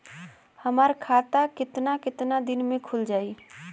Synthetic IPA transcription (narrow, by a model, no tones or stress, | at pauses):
həmaːɾkʰaːt̪akɪt̪nakɪt̪nad̪ɪnmẽkʰʊld͡ʒaːi